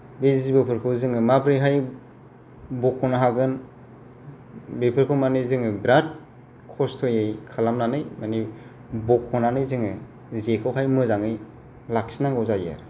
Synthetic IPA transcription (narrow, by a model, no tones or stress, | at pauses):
bezzibɯpʰɯɾkʰɯwzɯŋɯmabɾɯjɦaj | bɔkʰɔnaɦaɡɯn | bepʰɯɾkʰɯwmanɯjzɯŋɯbɾad̚ | kʰɔstʰɔjejkʰalamnanɯjmani | bɔkʰːɔnanɯjzɯŋɯ | zekʰɯwɦajmɯzaŋɯj | lak̚sinaŋɡɯwzaja̰ɾ